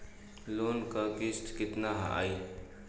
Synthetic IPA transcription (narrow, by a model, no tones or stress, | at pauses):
loːnkakɪst̪kɪt̪naɦa̰ʔa̰ːi